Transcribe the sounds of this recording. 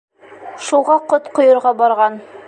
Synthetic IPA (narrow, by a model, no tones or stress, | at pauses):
ʃuʁɑqot̪qʰŏjɤ̆ɾʁɑbɑɾʁɑn